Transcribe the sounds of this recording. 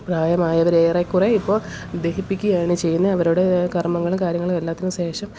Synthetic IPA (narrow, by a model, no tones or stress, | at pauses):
praːjɐmaːjɐʋɐɾeːrekːureipːo̞ːd̪eɦipːikʲːujaːɳɨt͡ɕe̞jːunːɐɐʋɐɾuɽe̞kɐrmɐŋːɐɭumkaːɾjɐŋːɐɭumelːaːt̪ːɐumɕe̞ːʂɐm